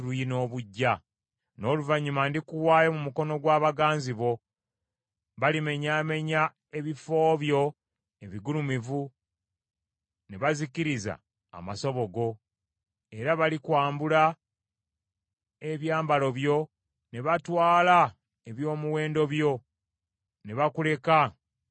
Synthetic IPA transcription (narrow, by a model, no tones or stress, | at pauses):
luino̞ːβuɟːa | no̞ːluvaɲːumandikuwaːjomumuko̞no̞ɡwaːβaɡaːnziβo̞ | βalime̞ɲaːme̞ɲa | e̞βifo̞ːβjo̞ | e̞βiɡulumivu | ne̞βaziciɾiza̰ː | maso̞βo̞ɡo̞ | e̞ɾaβalikwaːmbula | e̞βjaːmbalo̞βjo̞ | ne̞βatwaːla | eβjo̞ːmuwe̞ːndo̞βjo̞ | ne̞βakule̞ka